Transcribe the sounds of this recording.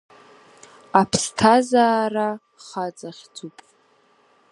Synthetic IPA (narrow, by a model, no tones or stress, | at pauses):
apʰstʰazaːra | χat͡sʼaχʲd͡zʼupʼ